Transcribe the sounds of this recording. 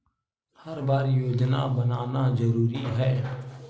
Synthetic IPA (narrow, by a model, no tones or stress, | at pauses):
həɾbaːɾjoːd͡ʒna̰ːbənaːnazəɾuːɾiɦɛː